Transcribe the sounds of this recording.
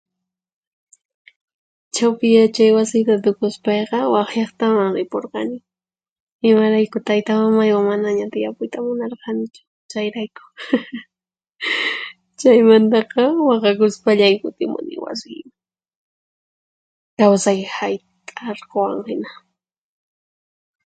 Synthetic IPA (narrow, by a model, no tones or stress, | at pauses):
t͡ʃawpɪjat͡ʃajwasɪjt̪at̪ʊkʊspɑjqɑwɑχjɑχt̪amaŋɾɪpoɾqɑ̰nɪ | ɪmaɾajkʊt̪ajt̪amamajwaŋmanaɲat̪ɪjapʊjt̪amʊnɑɾqɑnɪt͡ʃʊ̥ | t͡ʃajɾajkʊ̥ | t͡ʃajmant̪ɑqɑwɑqɑkʊspaʎamɪkʊt̪ɪmʊ̰nɪ̰ŋwa̰sɪjma | kawsajhajt̪ʼaɾqowa̰ŋhɪna